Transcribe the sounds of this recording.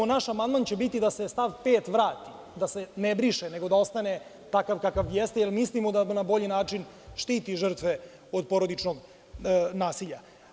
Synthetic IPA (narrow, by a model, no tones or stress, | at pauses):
onaʃamand̪mant͡ɕe̞bit̪id̪asest̪aʋpeːt̪ʋɾaːt̪i | d̪ase̞nebɾiʃeneɡo̞d̪ao̞st̪ane | t̪akaʋkakaʋjest̪jelmislimod̪anabo̞ʎinaːt͡ʂin | ʃt̪iːt̪iʒər̩t̪ʋe | od̪po̞ɾod̪it͡ʂnoɡ | naːsiʎa